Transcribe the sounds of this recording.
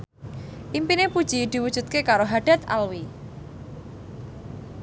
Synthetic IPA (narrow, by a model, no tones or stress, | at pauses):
ʔimpinepud̥ʒ̥id̪̥i̤wud̥ʒ̥ṳt̪̚kekaɾoɦaɖ̥a̤t̪a̰lwi